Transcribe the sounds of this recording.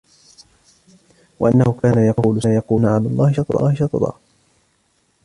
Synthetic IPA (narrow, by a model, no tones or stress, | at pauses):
waʔanːahʊkaːnajɑquːlʊsajɑquːnaʕalaːlˤːɑːhɪʃɑt̪ˤd̪ˤɑ̰ːhɪʃɑt̪ˤɑd̪ˤɑ̰ː